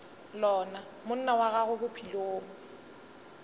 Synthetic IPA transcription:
lɔːna | mʊn̩nawaɣaɣʊbʊpʰiloːŋ̩

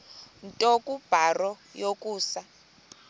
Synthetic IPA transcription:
ntʼɔkʼub̥ʱarɔ | jokʼuːsa

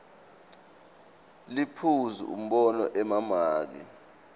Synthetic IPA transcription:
lipʰuzṵṵm̩ɓɔnɔʔɛmamaːk̬ḭ

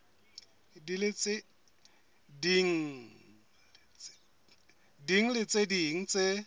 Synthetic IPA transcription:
dilɪt͡sʼɪ | diŋ̩ | diŋ̩lɪt͡sʼediŋ̩t͡sʼɪ

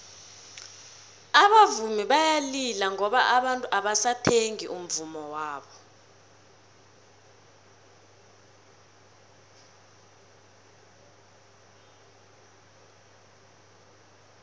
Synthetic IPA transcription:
aɓavumiɓajalilaŋʱɔɓaʔaɓantʼuʔaɓasatʰeŋḭʔum̩vumɔwaːɓɔ

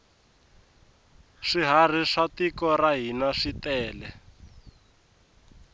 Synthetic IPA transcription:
ʂiɦar̤iʂatikɔraɦinaʂitɛːlɛ

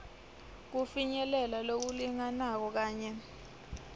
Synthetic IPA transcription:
k̬ufiɲɛlɛlalok̬uliŋanak̬ɔk̬aːɲɛ

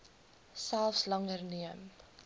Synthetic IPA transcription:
sælˠfslɐŋərniəm

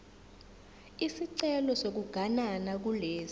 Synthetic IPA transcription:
isiǀɛlɔsok̬uɡ̥ʱananak̬uleːz

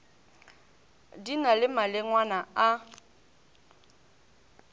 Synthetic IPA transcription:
dinalɪmalɪŋwanaa

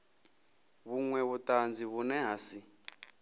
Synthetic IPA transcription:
βuŋwɛβutand͡ziβunɛɦaːsi

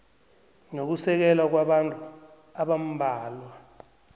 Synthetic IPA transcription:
nok̬usɛk̬ɛlak̬waɓantʼu | aɓam̩bʱaːlwa

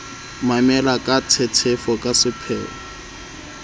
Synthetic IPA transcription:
mamɛlakʼat͡sʰɛt͡sʰɛfɔkʼasɪpʰɛ̰ːɔ

